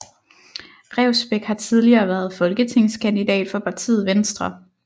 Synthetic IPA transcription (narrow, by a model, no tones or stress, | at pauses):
ʁɛʊsb̥eɡ̥hɑ̈t͡sʰið̞ˠliɐːʋæɐð̞̩ˠfɒ̽lɡ̥ət͡sʰe̝ŋ̰skʰænd̥id̥ɛ̰ːd̥fɒ̽pʰɑ̈t͡sʰḭːð̩ˠʋensd̥ʁɐ